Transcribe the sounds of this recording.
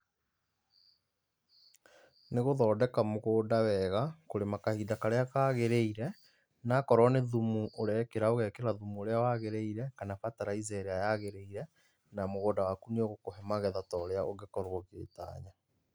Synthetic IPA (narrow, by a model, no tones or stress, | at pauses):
neɣoðɔːdɛkamoɣoːdawɛɣakoɾemakahidakaɾeakaɣeɾeiɾɛ | nakɔɾɔneðumuʔoɾɛkeɾaoɣɛkeɾaðumuoɾeawaɣeɾeiɾɛkanafataɾaizɛɾɛajaɣeɾeiɾɛ | namoɣoːdawakunioɣokoɦɛmaɣɛðatɔɾeaʔoɡekɔɾwoɣḛːta̰ːɲa